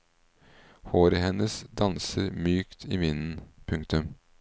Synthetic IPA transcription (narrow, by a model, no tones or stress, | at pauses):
hoːɾəhɛnəsd̪ɑnsəɾmyːkt̪ʰiːʋɪnn̩pʰʉŋkt̪ʉm